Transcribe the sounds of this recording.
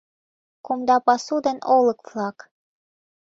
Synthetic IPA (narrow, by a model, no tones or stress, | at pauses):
kumd̪ɑpɑsud̪ɤ̆nʔolˠɤ̆kflˠɑk